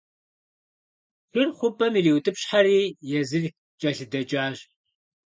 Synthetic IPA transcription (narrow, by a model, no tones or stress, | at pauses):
xɨrχʷʊpʼɐmiriːwtʼɨpɕħaɾiːjɛzɨɮ | t͡ʃʼɐɬɨdɐt͡ʃʼaːɕ